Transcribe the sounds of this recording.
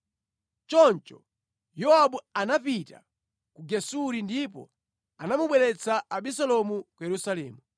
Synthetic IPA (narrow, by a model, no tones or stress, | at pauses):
t͡ʃɔnt͡ʃɔ | jɔaɓuanapita̰ | kuɡɛsuɾindipɔ̰ | anamuɓwɛlɛt͡saaɓisɔlɔmukujɛɾusalɛːmu